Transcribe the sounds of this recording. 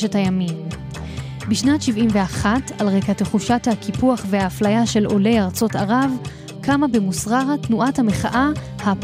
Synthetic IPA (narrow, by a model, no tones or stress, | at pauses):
ʃethajamim | biʃnatʃivimveaχatalʁejkate̞χuʃathakipuaχvehaːflajaʃe̞lo̞le̞jaʁt͡so̞taʁav | kamabemusʁaʁatnuʔathame̞χaʔa | hap